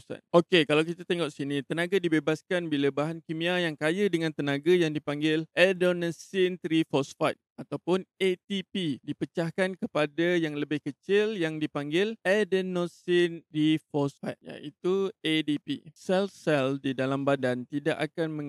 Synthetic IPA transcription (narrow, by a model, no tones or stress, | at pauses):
sa̰nʔokekalawkit̪at̪ɛŋoʔsinit̪ənãɡadibebaskanbilabaɦankimĩajaŋkajadəŋãnt̪ənãɡajaŋdipaŋɡɪlʔɛdonasɪnt̪ɾifɔsfajt̪̚at̪awpʊnet̪ipidipət͡ʃahkankəpadajaŋləbɪhkət͡ʃɪljaŋdipaŋɡɪlʔɛdənosɪnt̪ɾifɔsfa̰jt̪̚ja̰it̪uedipḭsɛlsɛldidalambadant̪idaʔakanmə̃ŋ